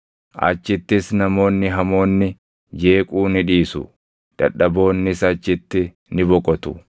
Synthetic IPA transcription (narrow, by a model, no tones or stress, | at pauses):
ʔɐ̰t͡ʃːɪt̪ːɪsnɐmo̞ːnːɪɦɐmo̞ːnːɪ | d͡ʒe̞ːkʼuːnɪᶑiːsʊ̰ | d̪̥ɐ̰ᶑɐbo̞ːnːɪsɐt͡ʃːɪt̪ːɪ | nɪbɔkʼɔt̪ʊ